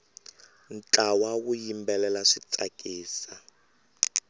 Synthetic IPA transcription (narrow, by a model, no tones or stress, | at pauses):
n̩t͡ɬʼawawujimbɛlɛlaʂit͡sʼakʼiːsa